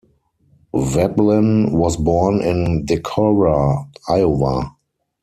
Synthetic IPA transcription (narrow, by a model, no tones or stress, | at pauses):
vɛblɪ̃nwɔsbɔnɪ̃ndɛkʰɔɹaaɪova